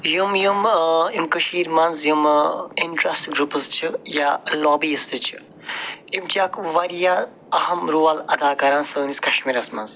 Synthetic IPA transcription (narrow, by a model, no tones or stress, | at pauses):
jumjumimkəʃiːɾmɐnzjuminʈɾɐsʈɡɾupɨzt͡ʃʰijalɔːbiːɐst̪ɨt͡ʃʰi̥ | imt͡ʃʰakʋɐɾjã | ɐhɐmɾuːɐlɐd̪aːkɐɾaːnsəːnisʲkɐʃmiɾɐsmɐnz